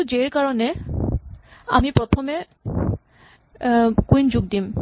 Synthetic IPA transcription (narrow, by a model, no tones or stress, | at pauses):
ud͡ʒeɹkaɹɔne | a̰mipɾɔt̪ʰɔme | kuind͡ʑuɡ̚d̪im